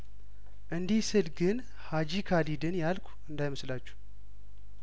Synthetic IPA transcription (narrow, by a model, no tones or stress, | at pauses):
ʔɨnd̪isɨlɡɨn | had͡ʒikʰalid̪ɨnjalkʷʰʼuɨnd̪ajməslat͡ʃːu̥